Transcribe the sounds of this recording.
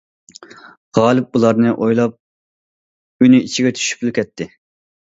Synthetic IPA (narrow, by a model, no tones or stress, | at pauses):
ʁɑːlˠɨp̚ulˠɑɾnɨʔojlˠɑp̚ | ynyit͡ʃʰiɡʲɛt̪ʰy̥ʃy̥plˠukʲʰɛt̪ʰːɪ